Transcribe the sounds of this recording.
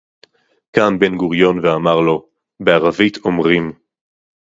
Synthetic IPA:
kanbe̞nɡuʁjo̞nveamaʁlo̞ | beaʁavitʰomʁim

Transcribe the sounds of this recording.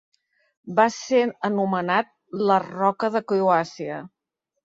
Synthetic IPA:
baseənumənat̪̚lərɔkəðəkuuasiə

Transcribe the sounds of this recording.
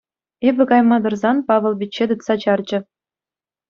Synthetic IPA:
ebʲɘ̆kɑjmɑd̪ɤ̆rzɑnpɑʋɤ̆lˠbʲit͡ɕːed̪ɯt̪sɑt͡ɕɑrd͡ʑɘ̆

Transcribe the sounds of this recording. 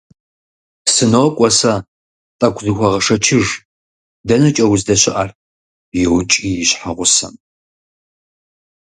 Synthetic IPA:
sɨnowkʷʼɔsɐ | tʼɐkʷzɨxʷɐʁɐʂɐt͡ʃʰɪʒ | dɐnɨt͡ʃʼɐwzdɐɕɪʔɐr | jɪwt͡ʃʼijɪɕħaʁʷʊsɐ̰m

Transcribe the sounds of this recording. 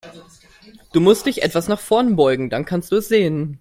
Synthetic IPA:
d̥uːmʊst̚d̥ɪçʔɛ̰tv̥asnaχfɔɐnbɔʏɡŋ̩dankʰanstd̥uːɛsz̥eːən

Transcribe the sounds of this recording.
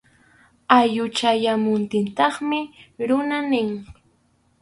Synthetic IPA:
ajʊt͡ʃajamʊnt̪ɪnt̪ɑχmɪɾʊnanɪŋ

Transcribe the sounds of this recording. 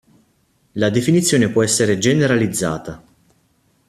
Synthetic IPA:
lad̪efinit̪sːjoːnepwɔɛsːeɾed͡ʒeneɾalid̪zːa̰ːt̪a

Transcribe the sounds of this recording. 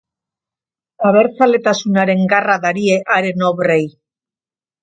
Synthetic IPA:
aβ̞e̞ɾt͡sale̞t̪asunaɾe̞ŋɡaraðaɾie̞ʔaɾe̞noβre̞j

